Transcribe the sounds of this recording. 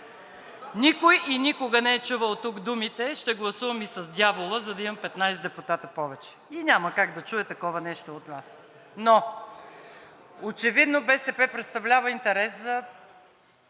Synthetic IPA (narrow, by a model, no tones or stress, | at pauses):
nʲikojinʲikʊɡənɛɛt͡ʃuvəlˠt̪uɡd̪umit̪ɛʃt̪ɛɡlˠɐsuvəmisɐzd̪ʲjavolˠəzɐd̪ɐimɐmpɛt̪najsd̪ɛpʊt̪at̪əpɔvɛt͡ʃɛ̥inʲaməkaɡd̪ɐt͡ʃuɛt̪ɐkɔvɐnɛʃt̪oːt̪nas | no | ot͡ʃɛvid̪nobɛsɛpɛpɾɛt̪st̪ɐvlʲavəint̪ɛɾɛszɐ